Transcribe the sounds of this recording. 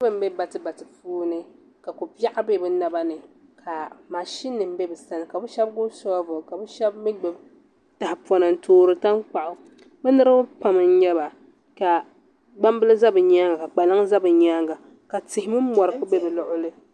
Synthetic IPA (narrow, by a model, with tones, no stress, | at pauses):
ɨ˦bɨ˨m̩˦be˦ba˨tɨ˦ba˨tɨ˨fuː˦nɨ˦ | ka˨ku˨pi˦a˦ʔa˦be˦bɛ˦na˦ba˦nɨ˨kʰa˨ma˨ʃi˦nːɨ˨m̩˦be˦bɛ˨sa˦nɨ˨ka˨bɛ˦ʃɛ˦b̚ɡʊ˦sɔ˦vʊ˨ka˨bɛ˦ʃɛ˦b̚mi˦ɡ͡bɛ˨b | ta˨hɪ˨pɔ˨na˨n̩˦toː˦ɾɨ˦ta˦nk͡pa˨ʔʊ˨ | bɛ˦nɨ˦ɾɨ˦bʊ˦pa˨mɨ˦n̩˦ɲɛ˦ba˨ | ka˨ | ɡ͡ba˦m˦bɨ˦lɨ˦za˦bɨ˨ɲa˦ŋɡa˨ka˨k͡pa˨la˦ŋza˦bɨ˨ɲaː˦ŋɡa˨ | ka˨tɪ˨hɪ˦mɨ˦m̩˦mɔ˨ɾɨ˨˦ku˦be˦bɨ˨lʊ˨ʔʊ˦lɨ˦